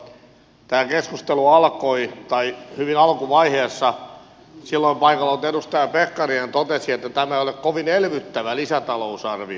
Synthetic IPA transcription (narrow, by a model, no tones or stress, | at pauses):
t̪æːkeskust̪eluɑlkoit̪ɑihyʋinɑlkuʋɑiheːsːɑ | silːoimpɑikɑlːɑut̪eɾust̪ɑjɑpekːɑrient̪ot̪esiet̪ːæt̪æmæeiolekkoʋinelʋyt̪ːæʋælisæt̪ɑlousɑrʋi